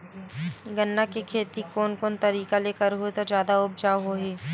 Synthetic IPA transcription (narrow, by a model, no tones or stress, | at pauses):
ɡənːakekʰeːt̪ikoːnkoːnt̪ɐɾiːkaleːkəɾɦoet̪od͡ʒjaːd̪aʊb̚d͡ʒaːɦoːɦeː